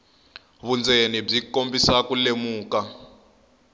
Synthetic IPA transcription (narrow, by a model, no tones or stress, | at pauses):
βund͡zenib͡ʐikombisakulemuːka